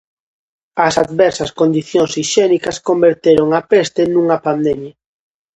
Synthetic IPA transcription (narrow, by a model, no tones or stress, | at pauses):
ɐsad̪βɛɾsɐskond̪iθjoŋsiʃɛnikɐskombeɾt̪eɾoŋapest̪ɪnũŋɐpand̪ɛmjɐ